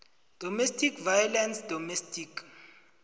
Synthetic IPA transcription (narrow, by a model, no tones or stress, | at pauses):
d̥ʱɔmestʰʼikʰvajɔlɛnsd̥ʱɔmɛstʰʼikʰ